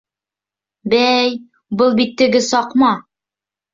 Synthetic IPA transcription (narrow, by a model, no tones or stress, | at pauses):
bæj | bɤlˠbit̪ːɘ̆ɡɘsɒqmɑ